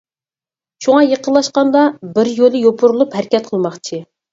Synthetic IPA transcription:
ʃuŋɑjəqʰənlˠɑʃqɑnd̪ɑbɪɾjolˠɨjopʰuɾulˠuphæɾkʲɛt̪̚qʰəlˠmɑχt͡ʃʰi

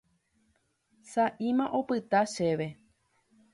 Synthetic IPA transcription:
saʔĩmãʔopɨt̪aʃeʋe̞

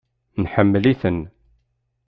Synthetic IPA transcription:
nħəmːliθən

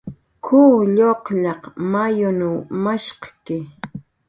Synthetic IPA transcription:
kʰuːʎoqʎɑqmajʊnawmaʃqɑ̥kɪ

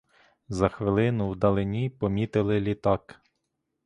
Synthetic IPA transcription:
zɐxʋɪlˠɪnʊwd̪ɐlˠɪnʲipɔmʲit̪ɪlˠɪlʲit̪ɑk

